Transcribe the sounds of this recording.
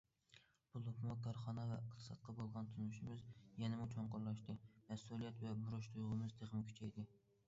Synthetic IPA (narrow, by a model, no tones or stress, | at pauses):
b̥ulˠukʰmukʰɑɾχɑnəvɛəqt̪ʰɨ̥sɑt̪̚qʰɑbolˠʁɑnt̪ʰunuʃimɪzjɛnɪmut͡ʃʰoŋqʊɾlˠɑʃt̪ɨmɛsulˠijɛt̪vɛbuɾuʃt̪ʰujʁʊmɨzd̪ʰeʁɨmkʲʰy̥t͡ʃʰɛjd̪ɪ